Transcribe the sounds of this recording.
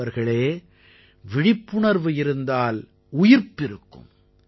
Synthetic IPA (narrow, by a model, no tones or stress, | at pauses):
ɐɾɣɐɭeː | ʋɪɽɪpːʊɳɐɾʋɯɪɾɯnd̪aːl | ʊjɪɾpːɪɾɯkːɯ̰m